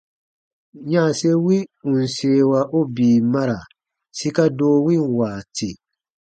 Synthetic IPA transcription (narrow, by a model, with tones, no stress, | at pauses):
ɲã˦˨se˦wi˦ũ˨n̩˨seː˨˦wa˨ʔo˦biː˨ma˦ɾa˨ | si˦ka˦doː˦wi˦˨waː˨ti˨